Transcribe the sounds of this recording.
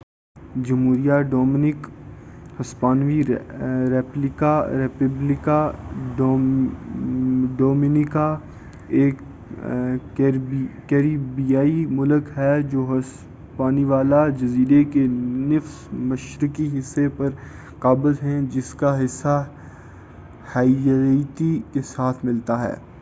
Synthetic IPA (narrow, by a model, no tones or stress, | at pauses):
d͡ʒɐmɦuːɾijaɖɔːmɪnɪk | hɐspaːnʋiɾɛːplɪkaɾɛːpəblɪka | ɖɔːmɪnɪka | eːk | kɛːɾibijaːimʊləkɦɛd͡ʒoːɦɐs | paːniʋaːlad͡ʒɐziːɾekenɪfsmɐʃɾɪkiɦɪsːepɐɾ | qaːbəlɦɛ̃d͡ʒɪskaɦɪsːa | haːijɾiːt̪ikesaːt̪ʰmɪlt̪aɦɛ̰ː